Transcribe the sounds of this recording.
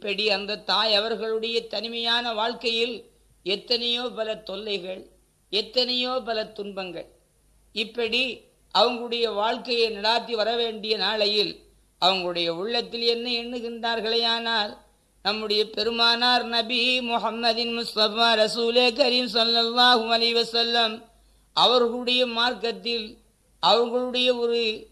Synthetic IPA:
ɪpːɐɽiɐnd̪ɐt̪ːaːjɐʋɐɾɣɐɭɯɽɐjɐt̪ɐnɪmɐjaːnɐʋaːɻkɐjɪl | ɛt̪ːɐnɐjoːpɐlɐt̪ːɔlːɐɪɣɐɭ | ɛt̪ːɐnɐjoːpɐlɐt̪ʊnbɐŋɡɐɭ | ɪpːɐɽi | ʔɐʋɐŋɡɐɭɯɽɐjɐʋaːɻkɐjɐɪnɪɽaːt̪ːiʋɐɾɐʋeːɳɖɪjɐnaːɭɐjɪl | ʔɐʋɐŋɡɐɭɯɽɐjɐʊɭːɐt̪ːɪlɛnːɐɛnːɯɣɪndraːɾɣɐɭɐjaːnaːl | nɐmːɯɽɐjɐpɛɾɯmaːnaːɾnɐbɪmʊhɐmːɐðɪnmʊst̪ɐfaːɾɐsuːleːkɐɾiːmsɐlːɐlːaːɦɯɐlɐɪʋɐsɐlːɐm | ʔɐʋɐɾɣɐɯɽɐjɐmaːɾkɐt̪ːɪl | ʔɐʋɐŋɡɐɭɯɽɐjɐɔɾɯ

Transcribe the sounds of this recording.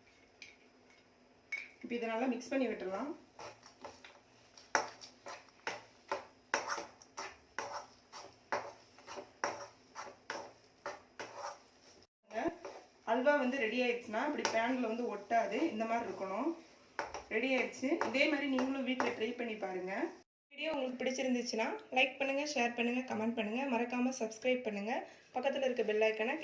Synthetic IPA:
ɪpːɐːɪðɐnaːlɐmɪkspɐɳːiʋɪʈːɾɐlãː | ŋɡɐ | ɐlʋaːʋɐnd̪ɯɾɛɽiaːjɪɾɯt͡ʃːɯnaːɐpːɐɽipaːnɪlɐʋɐnd̪ɯɔʈːaːðɯɪnd̪ɐmaːd̪ɾiɪɾɯkːɐɳʊ̃ | ɾɛɽijaːɪɾɯt͡ʃːɯɪðeːmaːd̪ɾiniːŋɡɐɭʊ̃ʋiːʈlɐʈɾɐɪpɐɳːipaːɾɯŋɡɐ | iːɽɪjoːʊŋɡɐɭɯkːɯpɪɽɪt͡ʃːɪɾɯnd̪ɯt͡ʃːɯnaːlɐɪk̚pɐɳːɯŋɡɐʃeːɾpɐɳːɯŋɡɐkɐmɛɳɖ̚pɐɳːɯŋɡɐmɐɾɐkːaːmɐsɐbskɾɐɪp̚pɐɳːɯŋɡɐpɐkːɐt̪ːɪlɐɪɾɯkːɯbɪlːaːkːɐna

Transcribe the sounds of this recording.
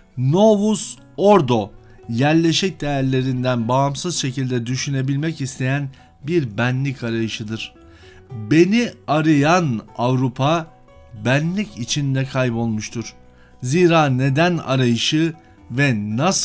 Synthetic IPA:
no̞vus | o̞ɾd̪o̞ | jæɾlʲe̞ʃɛc̚d̪e̞jæɾlʲe̞ɾind̪ænbaːmsɯzʃe̞cilʲd̪ɛd̪yʃyne̞bilʲmɛcist̪ʰe̞jæn | biɾbænlʲicʰaɾajɯʃɯd̪ɯɾ̥ | be̞niaɾɯjanavɾupʰa | bænlʲicit͡ʃʰind̪ɛkʰajbo̞lˠmuʃt̪ʰuɾ̥ | ziːɾaːne̞d̪æna̰ɾajɯʃɯ | vɛnas

